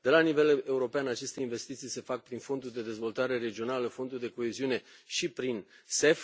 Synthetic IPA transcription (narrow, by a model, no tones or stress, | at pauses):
d̪̥e̞lanive̞le̞uɾo̞peanat͡ʃe̞st̪e̞inve̞st̪it̪sijse̞fak̚pɾinfo̞nd̪urd̪e̞d̪e̞zvo̞lt̪aɾe̞ɾe̞d͡ʒio̞naləfo̞nd̪urd̪e̞ko̞eziune̞ | ʃipɾin | se̞f